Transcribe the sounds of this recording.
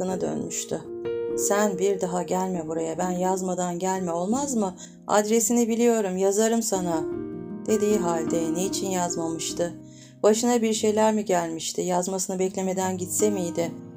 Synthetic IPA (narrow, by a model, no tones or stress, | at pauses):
ɯnad̪ø̰nmyʃt̪ʰʏsænbiɾd̪aɦaɟælʲmɛbuɾajabænjazmad̪anɟælʲmɛo̞lˠmazmɯ | a̰d̪ɾe̞sinibilʲijo̞ɾumjazaɾɯmsanad̪̥e̞d̪iːɦalʲd̪ɛneit͡ʃʰinjazmamɯʃt̪ʰɯ | b̥aʃɯnabiɾʃe̞jlʲæɾmiɟælʲmiʃt̪ʰɪjazmasɯnɯbɛclʲe̞me̞d̪ænɟit̪se̞mijd̪ɪ